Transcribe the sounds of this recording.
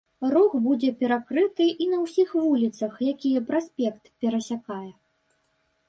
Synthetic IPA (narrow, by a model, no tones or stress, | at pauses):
rɔxbud͡zʲɛpʲɛɾakɾɨt̪ɨʔinɐwsʲixvulʲit̪sɐxjakʲijɛpɾasʲpʲɛkt̪pʲɛɾɐsʲakajɛ